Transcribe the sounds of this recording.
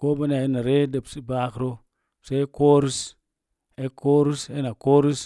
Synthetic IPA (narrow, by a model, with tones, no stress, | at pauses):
ko˦ba˦na˨ji˦na˨ɾe˦de˨psi˦baː˦kɾo˦ | se˦e˦koː˦ɾi˦s | e˦ko˦ɾi˦se˦na˨koː˦ɾi˦s